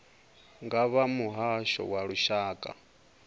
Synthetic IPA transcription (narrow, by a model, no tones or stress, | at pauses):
ŋɡaβamuɦaʃɔ̰waɺuʃaːkʼa̰